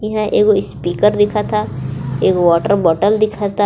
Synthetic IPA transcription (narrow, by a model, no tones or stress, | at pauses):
ɦɛ̃ʔeːkoɪspiːkəɾd̪ɪkʰat̪ʰaeːkʋɔːʈəɾbɔːʈəld̪ɪkʰat̪ʰa